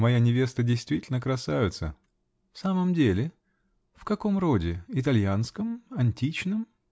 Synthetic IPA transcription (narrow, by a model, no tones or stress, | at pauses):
mɐjanʲɪvʲe̞st̪ədʲɪjst̪vʲitʲɪlʲnəkɾɐsajɪt̪sə̰ | fsaməmdʲelʲɪ | fkɐko̞mro̞dʲɪɪt̪ɐlʲjanskəmɐnʲtʲit͡ɕnɨm